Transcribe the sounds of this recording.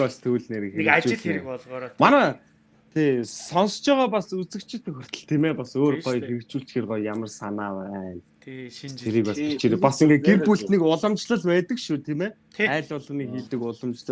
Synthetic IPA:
ɔst̪ʰuːɮneːɾxet͡ɕuɮeɾkpɔɮʁɔmanaː | t̪ʰeːsɔnst͡ɕɔːʁɔːpasut͡sɘ̆kt͡ɕʰɪ̆t̪ʰːɵxɘ̆r̥t̪ə̆ɮt̪ʰimeːpasoːrɢɔjxeɾɘ̆k̚t͡ɕuːɬt͡ɕxirʁɔːjamə̆rsanaːwːnʰ | eɾiːkasʰe̥t͡ɕeɾeːpasiŋɡeɡerpuɬt̪nikʊɮə̆mt͡ɕɮə̆ɮpæːt̪ə̆kʃut̪ʰiːmeː | æːɮʊɮə̆ːniːxiːɮt̪ɘ̆kʊɮə̆mt͡ɕɮə̆

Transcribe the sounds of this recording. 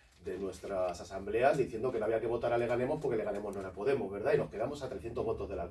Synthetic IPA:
d̪e̞nwe̞st̪ɾasasamble̞azðiθje̞nd̪o̞kenoaβiake̞o̞t̪aɾale̞ɣane̞mo̞spo̞ɾkele̞ɣane̞mo̞znoɾapo̞ðe̞mo̞zβe̞ɾðaino̞hke̞ðamo̞sat̪ɾe̞θjent̪oβo̞t̪o̞zðe̞la

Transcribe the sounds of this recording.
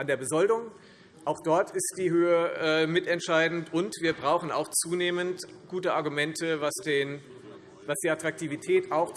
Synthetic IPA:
ʔandeːɐbəzɔldʊŋ | ʔaʊxd̥ɔɐtɪst̚d̥iːɦøːəʔɛːmɪtɛntʃaɪdn̩tʊntv̥iːɐbʁaʊxn̩a̰ʊxt͡suːneːmənt | ɡ̥uːtəʔaɐɡumɛntʰəvasd̥eːn | vasd̥iːatʁ̥ak̚tʰiːvitʰɛːtaʊx

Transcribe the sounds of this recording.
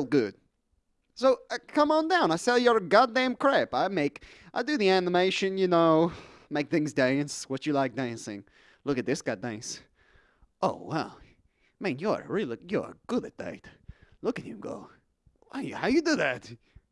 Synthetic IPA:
lˠɡʊd̥ | soʊkʰʌ̃mə̃ndãʊ̃naɪsɛlˠjə˞ɨɡɑdæ̃mkʰɹ̥æpaɪmeɪkʔaɪdɨðiænəmeɪʃɨ̃njɨnoʊ | meɪk̚θɪ̃ŋzdæ̃nswʌt͡ʃɨlaɪk̚d̥æ̃nsɪ̰̃ŋ | lʊkɨt̪̚ðɪsɡ̥ɑdæ̃ns | ʔoʊwa̰lˠ | mĩnjə˞ɨ̰ɹilˠjə̰˞ɨ̰ɡ̥ʊɾɨt̚d̥ḛɪtlʊkɨtɨ̰̃ɡo̰ʊ | aɪjɨhaʊjɨdɨðæt̚

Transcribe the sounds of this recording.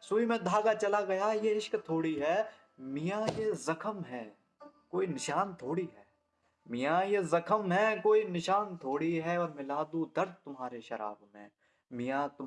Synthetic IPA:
suimẽd̪ʱaːɡat͡ʃɐlaɡɐjajeɪʃkt̪ʰoːɽiɦɛː | mɪjãjezɐkʰəmɦɛː | koːinɪʃaːnt̪ʰoːɽiɦɛː | mɪjajezɐkʰəmɦɛkoːinɪʃaːnt̪ʰoːɽiɦɛɔːɾmɪlaːd̪ud̪ɐɾd̪̚t̪ʊmɦaːɾeʃɐɾa̰ːbmḛ̃ | mɪjãt̪ʊ

